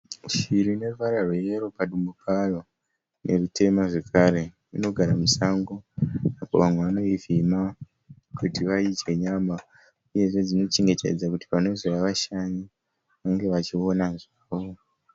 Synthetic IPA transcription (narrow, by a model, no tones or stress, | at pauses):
ʃiɾine̞ruʋaɾarweeɾo̞paɗumupʰaro | ne̞rutʰe̞maʐe̞kʰaɾe̞ | ino̞ɡʱaɾamusaŋɡo̞apo̞̰ʋamwe̞ʋano̞ivima | kʰutiʋait͡ʃe̞ɲama | uje̞ʐe̞d͡zino̞t͡ʃe̞ŋɡe̞tʰḛd͡zakuti̥pano̞zojaʋaʃaɲi | ʋaŋɡe̞ʋat͡ʃio̞naʐaːʋo̞